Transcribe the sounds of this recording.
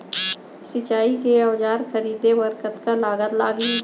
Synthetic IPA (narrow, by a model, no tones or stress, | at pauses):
sɪt͡ʃaːikeɔːd͡ʒaːɾxəɾiːd̪ebəɾkət̪kalaːɡət̪laːɡi